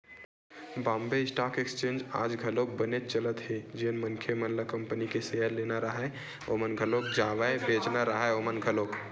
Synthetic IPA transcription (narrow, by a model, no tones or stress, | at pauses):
bãmbeisʈakekst͡ʃẽnd͡ʒad͡ʒɡʱəlok̚bənet̪̚t͡ʃələt̪ɦed͡ʒeənmənkʰjemənləkəmpənikeseɦəɾlenaɾəɦə | omənɡʱəlok̚d͡ʒaʋaebed͡ʒnaɾəɦɛomənɡʱəlok